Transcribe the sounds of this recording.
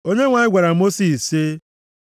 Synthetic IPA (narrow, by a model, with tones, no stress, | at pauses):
o˦ɲe˦ŋʷa˨ɲɪ˦ɡʷa˨ɾa˨mo˦si˨se˦